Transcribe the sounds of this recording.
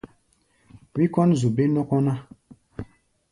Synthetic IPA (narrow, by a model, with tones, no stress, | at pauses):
wi˦kɔ˦nzu˨be˦nɔ˦kɔ˦na˦